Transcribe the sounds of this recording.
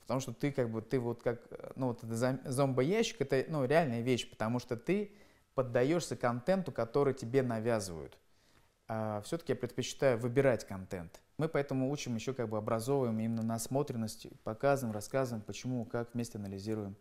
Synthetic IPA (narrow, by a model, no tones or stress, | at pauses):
pə̥t̪omʂt̪ot̪ɨkaɡ̚bɨt̪ːɨvo̞t̪kaknuvo̞t̪ɛt̪əzɐzo̞mbəjæɕːɪ̥kɛt̪ənuɾʲɪalʲnəjəvʲeɕpə̥t̪ɐmuʂt̪ot̪ɨ | pəd̪ːɐjo̞ʂsʲəkɐnt̪ɛnt̪ʊkɐt̪o̞ɾɨjətʲɪbʲe̞nɐvʲazɨvə̰jʊ̰t̪ | afsʲot̪ə̥kʲɪjapɾʲɪt̪pət͡ɕɪ̥t̪ajʊvɨbʲɪɾatʲkɐnt̪ɛ̰nt̪ | mɨpɐɛt̪əmʊut͡ɕɪmjɪɕːo̞kaɡ̚bɨɐbɾɐzo̞vəjɪmimʲɪnːənɐɐsmo̞t̪ɾʲɪnːəsʲtʲɪ̰pɐkazəvəɪmrɐskazʊvɪmpət͡ɕɪmukakvmʲesʲtʲɪɐnəlʲɪzʲiɾʊjɪm